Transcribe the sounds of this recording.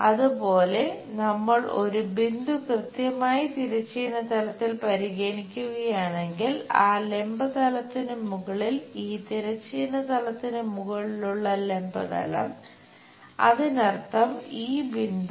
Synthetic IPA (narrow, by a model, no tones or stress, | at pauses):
ɐðupo̞ːle̞nɐmːɐɭʔo̞ɾubind̪ukrɨt̪jɐmaːjit̪iɾɐt͡ɕːiːnɐt̪ɐlɐt̪ːilpɐɾiɣeːɳikʲːuɣɐjaːɳe̞ŋɡilaːle̞mbɐt̪ɐlɐt̪ːinɨmuɣɐɭiliːt̪iɾɐt͡ɕːiːnɐt̪ɐlɐt̪ːinɨmuɣɐɭiluɭːɐle̞mbɐt̪ɐ̰lɐ̰m | ɐ̰ðɨnɐrt̪ːɐmiːbind̪